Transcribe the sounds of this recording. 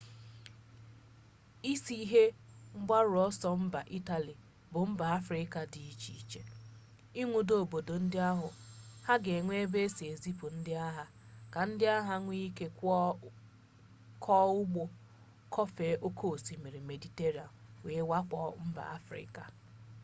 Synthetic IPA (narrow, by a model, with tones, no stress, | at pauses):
i˦si˦ɦe˦ŋ͡m̩˦ɡ͡ba˦ɾʊ˨ɔ˦sɔ˦m̩˦ba̰˨ʔi˦ta˨li˨ | bʊ˨m̩˦ba˨a˦fɾɪ˦ka˨di˨i˦t͡ʃḭ˨t͡ʃe˨ | i˦ŋʷu˨do˦˨bo˨do˨n̩˦dɪ˦a˦ɦʊ˨ha˦ɡe˨ŋʷe˦be˦e˦si˨e˨zi˦pʊ˨n̩˦dɪ˦a˦ɦa˨ | ka˨n̩˦dɪ˦a˦ɦa˦ŋʷi˦i˦ke˦k | kʰɔ˦ʊ˦ɡ͡bo˦ | kʰɔ˦fe˨˦ʔo˦kʰo˦˨si˨me˨ɾi˨me˨di˨te˦ɾi˨a̰˨mwe˨e˦wa˦kʷɔ˦m̩˦ba̰˨a̰˦fɾɪ̰˦ka̰˨